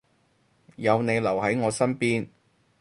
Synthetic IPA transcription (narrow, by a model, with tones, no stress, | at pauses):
jɐ˨˧wne˨˧jlɐ˨˩whɐ˨˥jŋɔː˨˧sɐ˥npiː˥n